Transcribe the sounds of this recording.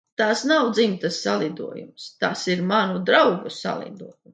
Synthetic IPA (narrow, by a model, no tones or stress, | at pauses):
t̪aːsnawd̪zimt̪ɐsːa̰lˠid̪uɔjṵmst̪aːsiɾmanud̪ɾawɡusa̰lˠḭd̪uɔjum